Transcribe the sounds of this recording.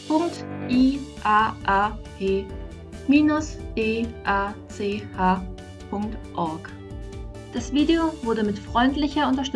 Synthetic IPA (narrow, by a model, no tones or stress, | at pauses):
pʰʊŋktʔiːʔaːʔaːpʰeː | miːnʊsdeːʔaːt͡seːhaː | pʰʊŋktʔɔɐk | d̥asv̥iːdeovʊɐɾəmɪtfʁ̥ɔʏntlɪçɐʊntɐʃt